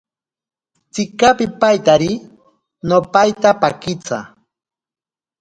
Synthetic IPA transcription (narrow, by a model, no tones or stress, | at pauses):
t͡sɪkapɪpajt̪aɾɪ | nopajt̪apakɪt͡sa̰